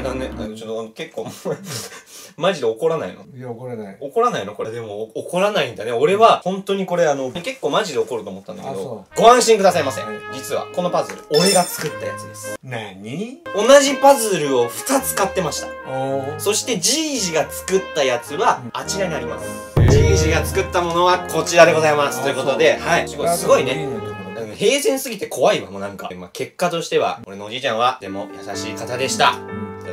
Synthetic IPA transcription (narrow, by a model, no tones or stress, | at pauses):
d̪anea̰t͡ɕot̪onoke̞kːoː | maʑid̪eoko̞ɾana̰ḭno̰ | oko̞ɾanainoko̞ɾed̪e̞mo̞ːko̞ɾanaĩnd̪ane̞o̞ɾe̞βahõ̞nt̪o̞ɲ̟iko̞ɾe̞ano̞ke̞kːo̞ːmaʑid̪e̞oko̞ɾɯ̟t̪oːmo̞t̪ːanakedoɡ̥o̞ãɰ̃ɕĩŋkɯ̟d̪asaimasḛ̃d͡ʑit͡sɨβa̰ko̞no̞pazɨɾɯ̟o̞ɾe̞ɡat͡sɨ̥kɯ̟t̪ːaja̰t͡sɨd̪esɨ̥ | o̞naʑipazɨɾɯ̟o̞ɸɯ̟̥tat͡sɨ̥kat̪ːe̞maɕi̥t̪ḁso̞ɕi̥t̪e̞d͡ʑiːʑiɡat͡sɨ̥kɯ̟t̪ːajat͡sɨβaːt͡ɕiɾaɲ̟iaɾʲimasɨ̥ | d͡ʑiːʑiɡat͡sɨ̥kɯ̟t̪ːamo̞no̞βakʰo̞t͡ɕiɾad̪e̞ɡo̞zaimasɨ̥t̪ːojɯ̟ko̞t̪o̞d̪e̞haisɨɡo̞ine̞d̪aeehe̞ːsẽ̞ɰ̃sɨɡʲit̪e̞kʰo̞βaibamonãŋka̰ma̰ke̞kːat̪o̞ɕi̥t̪e̞βa̰ko̞ɾe̞noːʑit͡ɕãɰ̃βad̪̥e̞mo̞̰jasaɕiːkat̪ad̪e̞ɕi̥t̪a̰e